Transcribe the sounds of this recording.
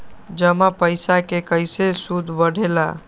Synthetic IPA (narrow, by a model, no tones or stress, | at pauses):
d͡ʒəmapəɪsakekəɪsesud̪ʱbəɽ̤ʱela̰